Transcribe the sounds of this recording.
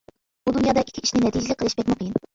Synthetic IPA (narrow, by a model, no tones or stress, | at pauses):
bud̪unjɑːd̪ɑʔikʲʰːiiʃnɪnɛt̪ʰid͡ʒɪlɪk̚ʲqəlˠɪʃbʲɛt̪ʲmʊqʰjin